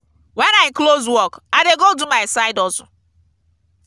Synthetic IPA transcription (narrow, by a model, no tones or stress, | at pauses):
wɛnaɪklozwɔkaɪdeɡodumaɪsaɪdɔzɔ